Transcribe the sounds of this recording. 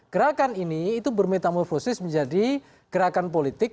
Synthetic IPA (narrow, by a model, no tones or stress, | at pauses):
ɡ̥əɾakaniniːt̪ubərmet̪amɔrfosɪsməɲd͡ʒadi | ɡ̥əɾakanp̬olit̪ɪk̚